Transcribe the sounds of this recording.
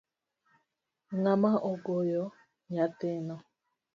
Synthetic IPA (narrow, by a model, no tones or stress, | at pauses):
ŋamaʔoɡojɔ | ɲatenɔ